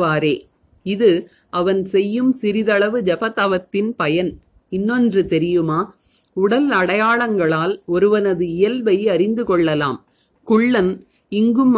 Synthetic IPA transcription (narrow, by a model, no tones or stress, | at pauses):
ʋaːɾeː | ɪðɯ | ɐʋɐnsɛjːɯmsɪɾɪðɐɭɐʋɯd͡ʒɐpɐt̪aʋɐt̪ːɪnpɐjɐn | ɪnːɔndrɯt̪ɛɾɪjɯmaː | ʊɽɐlɐɽɐjaːɭɐŋɡɐɭaːlɔɾɯʋɐnɐðɯɪjɐlʋɐɪɐɾɪnd̪ɯkɔɭːɐlaːm | kʊɭːɐn | ɪŋɡɯm